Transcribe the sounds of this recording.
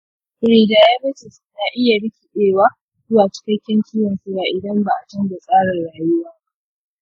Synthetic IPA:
ɾiː˨daː˨ja˦bɐ˦t͡ʃɪ˨s | naː˨ʔɪ˦ja˨ɽɪ˦kʲi˨ɗeː˦˨waː˦ | zʊ˦waː˨t͡ʃɪ̥˦kʲɐ˦kʲɛ˦ŋkʲɪ˦wɐ˨nsu˦baː˨ʔɪ˨dɐ˦mba˨ʔa˨t͡ʃɐ˦nda˨sʼaː˦ɽɐ˨rɽaː˨jʊ˦waː˦b

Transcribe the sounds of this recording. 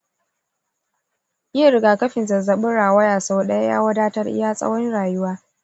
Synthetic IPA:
ʔɪ˦ɐ˦˨ɾɪ˦ɡaː˨kɐ˦ɸɪ˨nzɐ˨zɐ˨ɓʊ˦ɽaː˨wɐ˦jaː˨so˦ɗɐ˦ja˦ja̰ː˦wɐ˦daː˦tɐ˦rʔɪ̰˦jaː˦sʼɐ̰˦wɔ˦nɽaː˨jʊ˦waː˦

